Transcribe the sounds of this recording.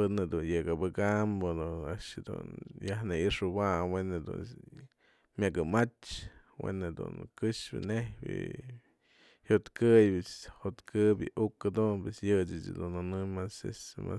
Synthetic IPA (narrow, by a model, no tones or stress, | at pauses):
ɨned̪unjɨɡabɨkambod̪uaʔʂd̪ṵnjahnɨiʂɨwamwened̪ṵn | mʲakɨmat͡ʃ | wḛnɨd̪ṵnkɨʂbɨ̰nehbɨ̰ | hot̪kɨjbɨshot̪kʰɨbɨʔukad̪unpesjɨt͡ʃɨt͡ʃɨ̰d̪unanɨmasḛsma̰